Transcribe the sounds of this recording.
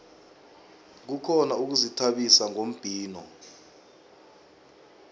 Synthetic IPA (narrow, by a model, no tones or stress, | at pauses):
k̬ukʰɔnauk̬uzitʰaɓisaŋom̩b̥ʱiːnɔ